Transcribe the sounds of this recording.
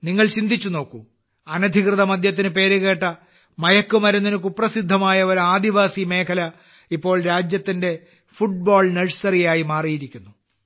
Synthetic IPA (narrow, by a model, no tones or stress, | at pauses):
niŋːɐɭt͡ɕind̪ʱit͡ɕːuno̞ːkːu | ɐnɐd̪ʱikrɨðɐmɐd̪ʱjɐt̪̬ːinɨpe̞ːɾuɣe̞ːʈːɐ | mɐjɐkːumɐɾunːinuk̬uprɐsid̪ʱːɐmaːjɐoɾaːd̪iʋaːsime̞ːkʰɐlɐ | ipːo̞ːɭɾaːd͡ʑjɐt̪ːinde̞ | fuʈ̚boːɭnɐɻsɐrijaːjimaːrijiɾikʲːunːu